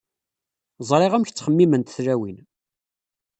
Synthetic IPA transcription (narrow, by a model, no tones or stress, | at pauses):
zˤɾˤɪʁæmç̪t͡sːχəmːimənt̪θɾæwin